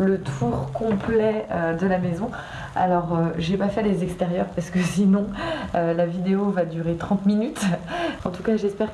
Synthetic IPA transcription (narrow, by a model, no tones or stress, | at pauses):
lət̪ʰuʁkɔ̃plɛød̪əlamɛzɔ̃ | a̰lɔʁøʒepafɛlezɛkst̪eʁjœʁpaʁsə̥kəsinɔ̃ølavid̪eovad̪yʁet̪χɑ̃t̪minyt̪ɑ̃t̪ukaʒɛspɛʁ